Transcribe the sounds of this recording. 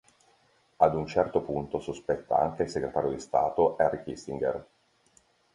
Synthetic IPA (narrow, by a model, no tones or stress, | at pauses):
ad̪unt͡ʃɛrt̪opunt̪osospɛt̪ːa̰a̰ŋkeilseɡɾet̪aːɾjod̪ist̪a̰ːt̪oʔɛrːikist̪iŋɡḛr